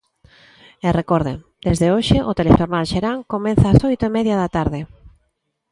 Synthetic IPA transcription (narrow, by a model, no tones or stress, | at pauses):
erekɔɾðḛ | d̪ezðeoʃɪʔʊt̪eleʃoɾnalʃeɾaŋkomɛ̃nθaːsojt̪oemɛðjaðat̪aɾðɪ